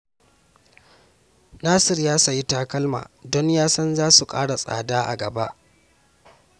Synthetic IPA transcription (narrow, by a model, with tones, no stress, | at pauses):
naː˦sɪ˦˨rjaː˦sa˨ji˦taː˦kɐ˦lma̰ː˨dɔ˦ɲjaː˦sɐ˦nzaː˦su˨kʼa̰ː˦ɽa˨sʼa̰ː˨daː˦ʔa̰˨ɡɐ˨ba˦ʔ